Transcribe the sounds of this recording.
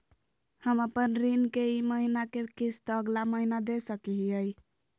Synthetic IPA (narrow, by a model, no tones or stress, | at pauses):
həməpənɾinkeiməɦinakekist̪ːɡlaməɦinad̪esəkiɦiəj